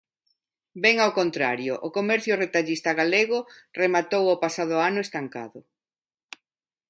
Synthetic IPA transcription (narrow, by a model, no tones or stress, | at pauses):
bɛŋawkont̪ɾaɾjʊʔʊkomɛɾθjʊret̪aʎist̪aɣaleɣʊremat̪owopasaðʊanʊest̪aŋka̰ðʊ